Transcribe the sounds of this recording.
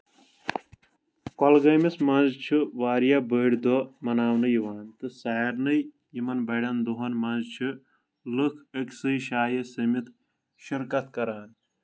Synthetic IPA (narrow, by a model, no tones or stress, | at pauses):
kɔlɡɐːmismɐnzt͡ʃʰɨʋaːɾjɐbəːɽd̪omɐnaːwnɨjiʋaːnt̪ɨsaːɐɾnɨj | jimɐnbɐɖɐnd̪uɦɐnmɐnzt͡ʃʰɨ | lɨkʰeksɨjʃaːjɐsɐmit̪ʰ | ʃiɾkɐt̪kɐɾaːn